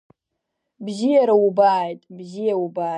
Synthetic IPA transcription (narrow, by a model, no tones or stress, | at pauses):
bzɪjaɾaubaːjtʼbʒijaubaː